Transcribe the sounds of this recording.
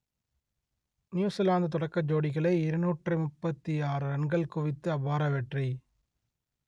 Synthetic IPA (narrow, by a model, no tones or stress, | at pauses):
njuːsɪlaːnd̪ɯt̪ɔɽɐkːɐd͡ʒoːɽɪɣɐɭɐɪɪɾɯnuːʈrɯmʊpːɐt̪ːiaːɾɯɾɐɳɡɐɭkʊʋɪt̪ːɯɐbaːɾɐʋɛʈri